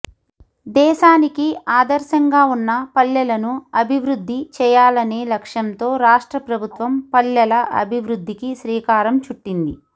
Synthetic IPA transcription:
d̪ɛːʃaːnikiaːd̪ɐɾʃɐŋɡaːunːɐpɐlːɐlɐnuɐbʱiʋɾud̪ʱːit͡ʃɛːjaːlɐneːlɐkʂɐnt̪o̞ːɾaːʂʈɾɐpɾɐbʱut̪ʋɐmpɐlːɐlɐʔɐ̰bʱiʋɾud̪ʱːikiʃɾiːkaːɾɐmt͡ʃuʈːind̪ḭ

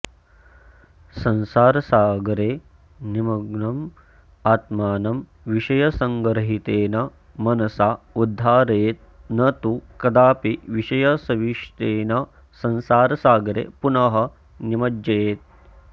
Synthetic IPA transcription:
sɐnsaːɾɐsaːɡɐɾeː | nimɐɡnɐm | aːt̪maːnɐm | ʋiʃɐjɐsɐŋɡɐɾɐɦit̪eːnɐ | mɐnɐsaːud̪ʱːaːɾeːt̪̚ | nɐt̪ukɐd̪aːpiʋiʂɐjɐsɐʋiʂt̪eːnɐ | sɐ̃nsaːɾɐsaːɡɐɾḛːpunɐɦɐ̆ | nimɐd͡ʒd͡ʒeːt̪̚

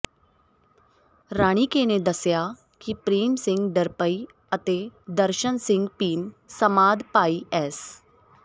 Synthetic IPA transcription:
ɾaːɽ̃iːkeːneːd̪əsjaː | kipɾiːmsɪ̃ŋɡɖ̪əɾpəiː | ət̪eːd̪əɾʃənsɪ̃ŋɡpiːmsəmaːd̪paːiːʔɛːs

